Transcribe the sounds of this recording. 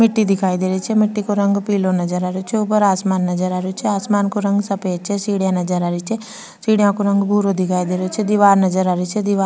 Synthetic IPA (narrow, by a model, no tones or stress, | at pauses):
mɪʈːid̪ɪkʰaːid̪eːɾet͡ʃʰɛmɪʈːikoɾɐ̃ŋɡpiːlonɐd͡ʒəɾaːɾot͡ʃʰɛup̬əɾaːsmaːnːɐzəɾaːɾeot͡ʃʰɛaːsmaːnkoɾɐ̃ŋɡsɐpeːt͡ʃʰɛsiːɽjãnɐd͡ʒəɾaːɾit͡ʃʰɛ | siːɽijãkoɾɐ̃ŋɡbʱuːɾod̪ɪkʰaːid̪eːɾot͡ʃʰɛd̪ɪʋaːɾnɐzəɾaːɾit͡ʃʰɛd̪ɪʋaː